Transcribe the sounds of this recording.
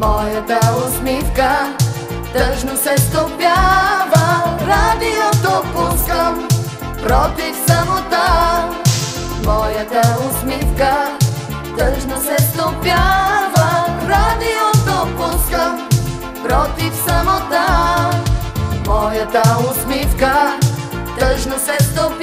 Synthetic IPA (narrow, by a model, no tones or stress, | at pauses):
mɔjɐt̪ausmika | t̪ɐ̃ʒnusɛsopjavɐɾad̪iɔt̪opuskɐ | pɾɔt̪isɐmot̪a | mɔjɐt̪ɐusmika | t̪ɐʒnusɛt̪opjavɐɾad̪iot̪opuskɐ | ɾɔt̪iksɐmot̪a | mɔjɐt̪ausmifka | t̪ɐʒnusɛt̪op